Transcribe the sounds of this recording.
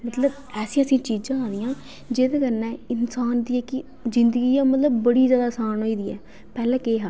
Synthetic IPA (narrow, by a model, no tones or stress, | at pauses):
mət̪ləb | ɛːsĩːəsĩːt͡ʃiːd͡ʒd͡ʒãːaːd̪ɪjãː | d͡ʒeːd̪eːkəɾnɛ̃ːɪnsaːnd̪iːɛːkɪ | zɪnd̪əɡiːjãːmət̪ləbːəɽiːzjaːd̪aːsaːnɦoːiːd̪iːɛ̰ː | pɛːlɛ̃ːkeːɦaː